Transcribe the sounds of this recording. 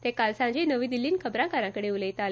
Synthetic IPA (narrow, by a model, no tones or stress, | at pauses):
t̪ekalsãd͡ʑenəʋiːd̪ilːiːnkʰəbɾãkaɾãkəɽeuləjt̪al